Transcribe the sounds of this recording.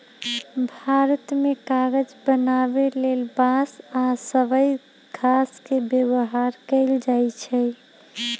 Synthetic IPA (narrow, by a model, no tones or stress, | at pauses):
bʱaɾət̪mekaɡəd͡ʒbənabelelbasasəbəj | ɡʱaskebjebəɦaɾkəɪld͡ʒajt͡ʃʰɛ